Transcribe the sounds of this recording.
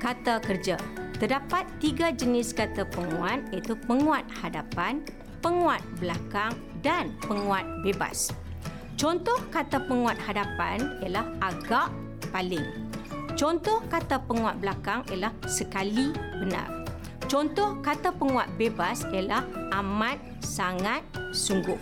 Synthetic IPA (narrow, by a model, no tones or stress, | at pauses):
kat̪akərd͡ʒat̪ərdapat̪ːiɡad͡ʒənɪskat̪apəŋuat̪̚at̪upəŋũat̪̚hadapan | pəŋũat̪̚blakaŋ | danpəŋũat̪̚beba̰s | t͡ʃɔnt̪ɔhkat̪apəŋũat̪̚hadapa̰nialahʔaɡaʔ | palɪŋt͡ʃɔnt̪ɔhkat̪apəŋuat̪̚bəlakaŋiəlahsəkalibəna̰r | t͡ʃɔnt̪ɔhkat̪apəŋũat̪̚bebasialahʔamãt̪̚ | saŋat̪̚suŋɡʊh